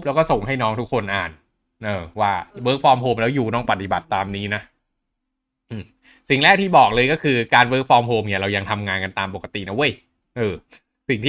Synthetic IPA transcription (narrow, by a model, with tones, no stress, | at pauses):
p̚lɛː˦˥wkɔː˥˩so˨˩ŋha˥˩jnɔː˦˥ŋt̪ʰu˦˥kʰːo˧nʔaː˨˩n | ʔɤː˧waː˥˩wɤː˦˥k̚fɔː˧mɦoː˧mlɛː˦˥wjuː˨˩nɔː˥˩ŋpa˨˩t̪i˨˩ba˨˩t̪ːaː˧mniː˦˥na˦˥ʔ | ʔɯː˨˩ | si˨˩ŋlɛː˥˩k̚t̪ʰiː˥˩bɔː˨˩k̚lɤː˧jkɔː˥˩kʰɯː˧kaː˧nwɤː˦˥k̚fɔː˧˥mɦoː˧mni˥˩ɐɾa˧wja˧ŋt̪ʰa˧mŋaː˧nka˧nt̪aː˧mp̬o˨˩ka˧t̪ḭ˨˩na˦˥ʔu˦˥˩j | ʔɤː˨˧˩ | si˨˩ŋt̪ʰː